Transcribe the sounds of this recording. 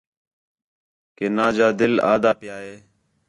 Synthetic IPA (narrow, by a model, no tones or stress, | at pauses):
keːnaːd͡ʒaːd̪ɪla̰ːd̪aːpjaːɦeː